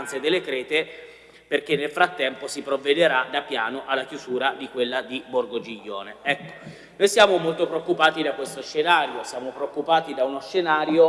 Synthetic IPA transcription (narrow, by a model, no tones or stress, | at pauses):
nt̪sed̪elːekɾɛːt̪e | perkenːelfɾat̪ːɛmposipɾovːed̪eɾad̪apːja̰ːnoʔalːak̟juzuːɾad̪ikwelːad̪iborɡod͡ʒiʎːo̰ːneɛkːo̥ | nojsjaːmomolt̪opɾeokːupaːt̪id̪akwest̪oʃːenaːɾjosjaːmopɾeokːupaːt̪id̪aunoʃːenaːɾjo